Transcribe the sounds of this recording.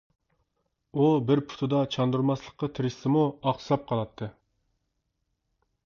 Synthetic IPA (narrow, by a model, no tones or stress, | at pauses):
ubɪɾpʰu̥t̪ʰud̪ɑt͡ʃʰɑnd̪uɾmɑslˠəqːɑt̪ʰɪɾɪsɪmuɑχsɑp̚qʰɑlˠɑt̪ʰːɨ